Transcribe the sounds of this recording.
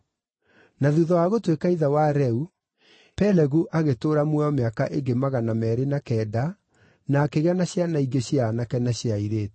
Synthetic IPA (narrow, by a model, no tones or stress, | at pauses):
naðuðɔwaɣotwekaiðawaɾɛu | pɛlɛɣuʔaɣetoːɾamwɛɔmeaka̰ʔeɡemaɣanamɛɾenakɛːda | naːkeɣanaɕjanaiɡeɕianakɛnaɕjaiɾeːt